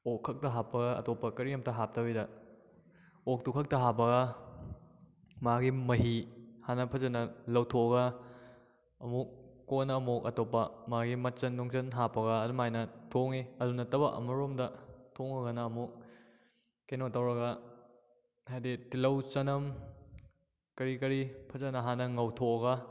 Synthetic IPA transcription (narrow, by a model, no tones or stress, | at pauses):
okʰːɐk̚tɐɦapːɐɡɐɐ̰topːɐkɐɾiɐmtɐɦap̚tɐbidɐ | ok̚tukʰɐk̚tɐɦap̬ɐɡɐ | maɡimɐɦihanɐpʰɐzɐnɐlɐwtʰoɡɐ | ɐmukːonɐɐmukɐtopːɐmaɡimɐt͡ʃɐndoŋt͡ʃɐnɦapɐɡɐːdumajnɐtʰoŋeɐdunɐtɐbɐʔɐ̰mɐɾomdɐtʰoŋɐɡɐnɐːmuk̚ː | enotɐwɾɐɡɐ | hajditilɐwt͡ʃɐnɐm | kɐɾikɐɾipʰɐzɐnɐɦanɐŋɐwtʰoɐɡɐ